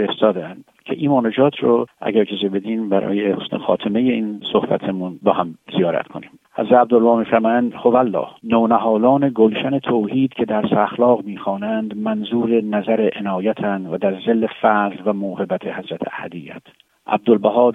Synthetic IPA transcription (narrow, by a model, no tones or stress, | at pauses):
feɾest̪ɒːd̪eænd̪̥cʰe̞ʔiːmɒːned͡ʒɒːt̪ʰɾoʔæ̰ɟæɾkʰezebed̪iːnbæɾɒ̰ːjehosnḛxɒ̰ːt̪ʰeme̞jeiːnsohbæ̰t̪ʰemunbɒhæmzijɒːɾæ̰t̪kʰo̞niːm | hæ̰zɾæt̪æb̚d̪olbɒːmiːfæɾmɒːjænd̪hovælːɒ̰ːhnoːnæɦɒːlɒːne̞ɡolʃæne̞t̪ʰoːhiːd̪̥cʰe̞d̪æɾsːxlɒːɣmiːxɒːnænd̪mænzuːɾe̞næzæɾeʔenɒːjæt̪ʰænvæd̪æɾzelːe̞fæzlvæmoːhe̞bæt̪ʰehæzɾæt̪ʰḛæ̰hæ̰d̪ijːæ̰t̪ʰ | ʔæ̰b̚d̪olbæɦɒːd̪